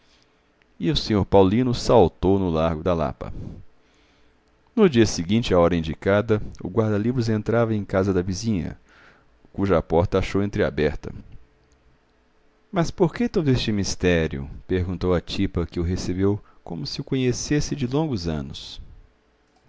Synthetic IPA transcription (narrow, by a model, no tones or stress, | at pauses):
ɪʊsẽɲoɾpawlĩnʊsawt̪ownʊlaɾɡʊd̪ɐla̰pɐ̰ | nʊd͡ʒiɐsɪɡĩnt͡ʃɪaɔɾɐĩd͡ʒikad̪ɐʊ̰ɡwaɾd̪ɐlivɾʊzẽnt̪ɾavɐẽj̃kazɐd̪ɐvizĩɲɐ̰ | kuʒɐːpɔɾt̪ɐaʃowẽnt̪ɾɪa̰bɛɾt̪ɐ̰ | mɐspoɾket̪od̪ʊest͡ʃɪmist̪ɛɾjʊ̰peɾɡũnt̪owɐt͡ʃipɐkɪʊɦesebewkõmʊsɪʊkõɲesesɪd͡ʒɪlõŋɡʊzɐ̰̃nʊs